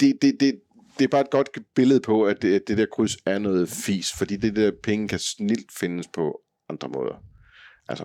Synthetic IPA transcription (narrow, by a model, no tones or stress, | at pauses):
d̥e̝d̥e̝d̥e̝ | d̥e̝æb̥ɑ̈ːe̝d̥̚ɡ̥ɒ̽d̥ɡ̥b̥e̝ləð̩ˠpʰɒ̽æd̥æd̥e̝d̥ɛɐkʰʁysæɐnɔːð̞̩ˠfḭːsfɒ̽d̥ḭːd̥ed̥ɛɐ̰pʰeŋəkʰæsnil̰d̥fe̝nəspʰɒ̽ | ʔɑ̈nd̥ʁɐmɔ̽ːð̞ˠɐ | ʔælsɐ